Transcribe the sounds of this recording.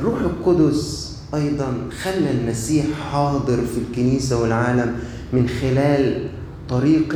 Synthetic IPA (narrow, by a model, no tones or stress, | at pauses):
rːuːħɪlqʊd̪ʊs | ʔɑjd̪ˤɑnxalːælmæsiːħħɑːd̪ˤɨɾfilkɪniːsawɪlʕaːlamː | ɪnxɪlæːl | t̪ˤɑɾiːq